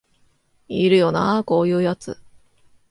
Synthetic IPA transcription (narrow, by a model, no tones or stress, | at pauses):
iɾɯ̟jo̞na̰ko̞ːjɯ̟ːjat͡sɨ̰